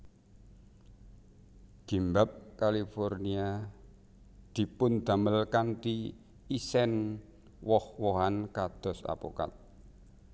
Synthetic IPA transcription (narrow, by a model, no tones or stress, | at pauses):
d̪̥i̤mbap̚kalifornia | d̪̥i̤pʊnd̪̥a̤məlkant̪i | isɛn | wɔhwoɦankad̪̥ɔ̤sa̰po̰ka̰t̪̚